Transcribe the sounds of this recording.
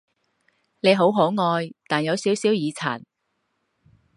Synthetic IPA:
ne˨˧jɦo˨˥wɦo˨˥wŋɔː˧jt̪aː˨njɐ˨˧wsiː˨˥wsiː˨˥wjiː˨˧t͡sʰa̰ː˨˩n

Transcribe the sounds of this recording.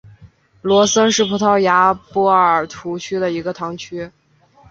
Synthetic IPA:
lwɔ˧˥sə˥ʂɻ̩˥˩pʰu˧˥t̪ʰɑ˥˩ʊja˧˥pɔ˥˩ə˞˨˩t̪ʰu˧˥t͡ɕʰy˥d̪ə˨i˧˥ɡə˧t̪ʰɑ˧˥ŋt͡ɕʰy˥

